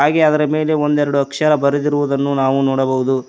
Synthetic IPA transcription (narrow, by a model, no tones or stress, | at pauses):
aːɡeɐd̪ɐɾɐme̞ːle̞ond̪ɛɾɐɽuɐkʂɐɾɐbɐɾɐd̪iɾuʋud̪ɐnːunaːʋunoːɽɐbɐɦud̪u